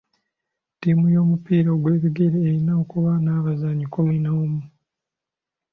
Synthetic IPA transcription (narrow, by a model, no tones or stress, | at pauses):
tiːmujo̞ːmupiːɾaːɡwe̞ːβiɡeɾeːɾinaokuβanaːβazaɲikominawomu